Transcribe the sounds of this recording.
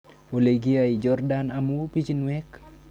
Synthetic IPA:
oleɡiaid͡ʒɔrdanamupit͡ʃinwɛk

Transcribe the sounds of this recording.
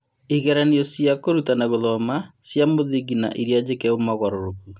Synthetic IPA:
iɣɛɾaniɔsjakoɾutanaɣoðɔmasjamoðiɡina̰ʔiɾjad͡ʑekɛomaɣɔɾoɾoku

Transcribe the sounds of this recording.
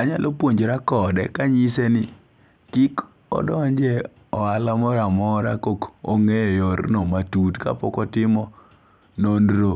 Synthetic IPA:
aɲalʔopwoɲd͡ʒɾakɔdɛ̰kaɲisenɪ | kik | ɔ̰dɔɲd͡ʒɛ | ɔalamɔɾamɔɾa̰koko̰ŋejjoɾnɔmatutka̰pɔkɔtɪmɔ | nonɾo

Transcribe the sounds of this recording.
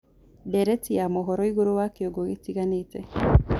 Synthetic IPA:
dɛɾɛtijamoɦɔɾɔiɣoɾowakeoɡoɣetiɣanetɛ

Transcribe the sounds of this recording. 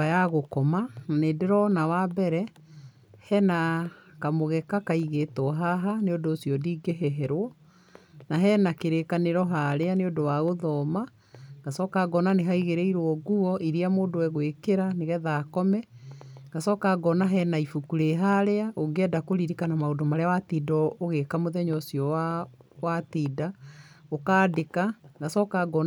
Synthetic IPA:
ajaɣokɔmananeːdeɾɔnawabɛɾɛ | hɛnakamoɣɛkakaiɣeːtɔɦaɦaneodoːsiɔdiːɡeɦɛɦɛɾwɔ | naɦɛnakeɾekaneɾɔɦaɾeaneodowaɣoðɔma | ŋɡasɔkaɡɔnaneɦaiɣeɾɛiɾwɔɡuɔʔiɾiamoːdowɛɣwekeɾaneɣɛðaːkɔmɛŋɡasɔkaɡɔnaɦɛnaifukuɾeɦaɾeaʔoŋɡɛːdakoɾiɾikanamaodomaɾeawatiːdɔoɣekamoðɛɲɔsiɔwawatiːdaokaːdekaŋɡasɔkaɡɔ

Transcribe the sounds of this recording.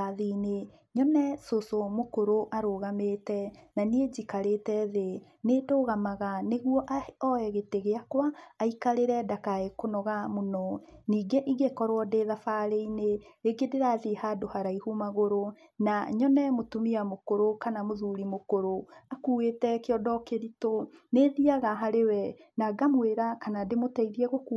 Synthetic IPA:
aðine | ɲɔnɛsosomokoɾoʔaɾoɣametɛnanied͡ʑikaɾetɛðe | nedoːɣamaɣaneɣuɔʔaɔɛɣeteɣeakwaːikaɾeɾɛdakaekonɔɣamonɔniːɡeʔiɣekɔɾwɔdeðafaːɾeineeɡedeɾaðehadohaɾaihumaɣoɾo | naɲɔnɛmotumiamokoɾokanamoðuɾimokoɾoakuwetɛkeɔdɔkeɾitoneðiaɣaɦaɾewɛnaɡamweɾakanademotaiɾiɛɣoku

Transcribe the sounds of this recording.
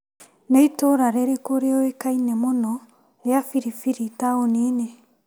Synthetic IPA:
neitoɾaɾeɾekoɾeɔekainemonɔ | eafiɾifiɾitaonine

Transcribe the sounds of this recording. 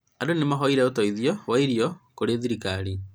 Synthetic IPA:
adonemaɦɔiɾɛotɔiðjɔwaiɾiɔkoɾeðiɾikaɾi

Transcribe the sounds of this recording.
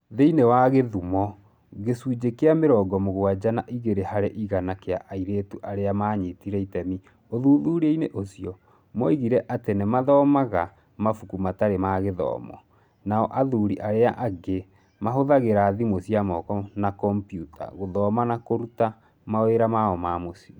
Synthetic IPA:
ðeinewaɣeðumɔ | ɣesud͡ʑekeameɾɔːɡɔmoɣwad͡ʒanaʔiɣeɾehaɾɛʔiɣanakeaʔaiɾetuʔaɾeamaːɲetiɾɛitɛmi | oðuːðuːɾeineʔosiɔ | mɔiɣiɾɛʔatenɛmaðɔːmaɣa | mafukumataɾemaːɣeðɔ̰ːmɔ̰ | naɔʔaðuɾiʔaɾeaʔaɡe | maɦoðaɣeɾaðimosiamɔkɔnakɔmpjutʰa̰ɣoðɔːmanakoɾuta | maweɾamaɔmamosi

